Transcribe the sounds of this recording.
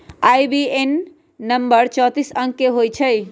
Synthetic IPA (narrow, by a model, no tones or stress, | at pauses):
ajbienː | əmbəɾt͡ʃɔ̃t̪isə̃ŋkːeɦojt͡ʃʰəj